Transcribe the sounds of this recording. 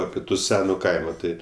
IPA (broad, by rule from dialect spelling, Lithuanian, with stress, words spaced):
ˈɑːpʲɪ tʊ ˈsʲæːnʊ ˈkɐɪmoː ˈtɐɪ